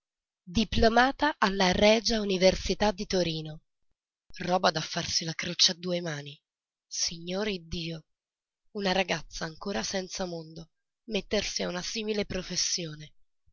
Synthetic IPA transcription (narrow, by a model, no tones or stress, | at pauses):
d̪iplomaːt̪aʔalːarɛːd͡ʒauniversit̪ad̪ːit̪oɾiːno | rɔːbad̪afːarsilakɾot͡ʃad̪ːuːemaːni | siɲːoːɾid̪ːiːo | unaɾaɡat̪sːaːŋkoːɾasɛnt̪samond̪o | met̪ːersiaunasiːmilepɾofesːjoːne